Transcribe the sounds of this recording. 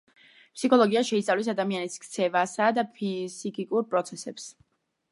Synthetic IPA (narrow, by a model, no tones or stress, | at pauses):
pʰsikʰɔlˠɔɡiaʃɛit̪sʼavlɛs̬ad̪amianiskʰt̪sʰɛvasad̪apʰizikʼikʼuɾpʼɾɔt̪sʰɛsɛps